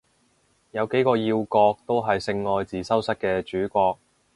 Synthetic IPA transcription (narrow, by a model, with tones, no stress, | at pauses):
jɐ˨˧wke˨˥jkɔː˧jiː˧wkɔː˧k̚t̪o˥wɦɐ˨jsɪ˧ŋːɔː˧jt͡siː˨sɐ˥wsɐ˥t̚kɛː˧t͡ʃyː˨˥kʷɔː˧k̚